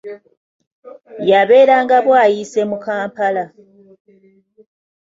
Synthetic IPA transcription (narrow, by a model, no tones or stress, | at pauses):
jaβe̞ːɾaːŋɡaβwaːjise̞mukaːmpala